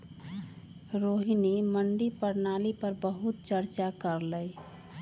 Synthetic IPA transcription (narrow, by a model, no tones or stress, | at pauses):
ɾoːɦiniməɳɖipəɾnaːlipəɾbəɦut̪̚t͡ʃəɾt͡ʃakəɾləj